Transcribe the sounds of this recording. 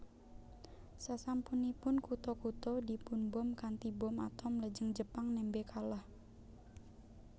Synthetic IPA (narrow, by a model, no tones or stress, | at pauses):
sasampunipʊnkut̪ɔkut̪ɔdipunbɔmkant̪ibɔma̰t̪ɔmləd͡ʒəŋd͡ʒəpaŋnɛmbekalah